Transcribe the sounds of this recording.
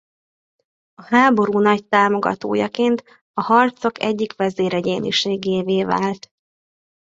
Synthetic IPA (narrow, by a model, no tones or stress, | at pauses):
ɒhaːbo̞ɾuːnɒc̚t̪aːmo̞ɡɒ̰t̪o̰ːjɒkeːnt̪ | ɒhɒrt̪so̞kɛ̰ɟːikʋɛzeːɾɛɟeːnḭʃeːɡeːveːva̰ːlt̪